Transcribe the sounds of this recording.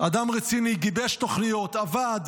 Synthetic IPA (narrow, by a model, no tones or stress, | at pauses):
ad̪amʁet͡siniɡibeʃt̪oχnijo̞t̪avad̪